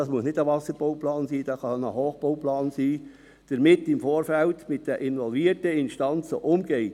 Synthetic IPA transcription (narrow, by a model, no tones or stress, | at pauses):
ɑsmuəsnɪdəvɑsəɾb̥oʊplɑːnsiːd̥ɑsxɑnəhoːχb̥oʊplɑːnsiː | d̥əɾmɪtɪmfoːɾfɛltmɪt̚d̥əʔɪnvɔlviːɾtəɪnʃtɑnt͡səʔʊmɡeɪt